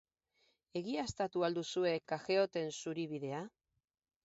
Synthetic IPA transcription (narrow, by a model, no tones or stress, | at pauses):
e̞ɣ̞iast̪at̪uald̪usue̞kaxe̞o̞t̪e̞nsuɾiβ̞iðe̞a